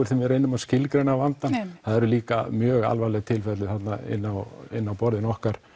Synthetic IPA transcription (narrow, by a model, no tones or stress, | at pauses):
ɪɾ̥θɪmvɛɾejnːʏmaðscɪlkɾejnavant̪anθaðɛɾʏliːka̰mjœːɣa̰lvajlɛɣt̪ʰɪlfɛt̪lɪθat̪naɪ̰nːawɪ̰nːawpɔɾðɪnɔhkaɾ̥